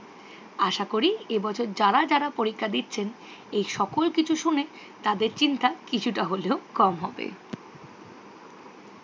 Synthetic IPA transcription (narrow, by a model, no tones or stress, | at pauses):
aʃakoɾiebɔt͡ɕʰoɾd͡ʑaɾad͡ʑaɾapoɾikʰːad̪itːt͡ɕʰen | ejʃɔkolkit͡ɕʰuʃune | t̪ad̪eɾt͡ɕint̪akit͡ɕʰuʈaɦoleokɔmɦɔbḛ